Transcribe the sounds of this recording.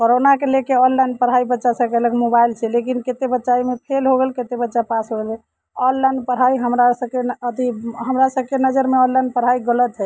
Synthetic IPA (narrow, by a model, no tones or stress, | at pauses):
koɾonakelekeɔnlajnpəɾ̤ɦaibətːʃasə̃kɛləkmobailt͡ʃʰɛlekinket̪ebətːʃaimepʰelɦoɡelket̪ebətːʃapasɦoɡelɛ | ɔnːajnpəɾɦaiɦəmɾasəb̚keət̪iɦəmɾasəb̚kenəd͡ʒəɾmeɔ̃nlajnpəɾ̤aiɡələt̪ɦɛ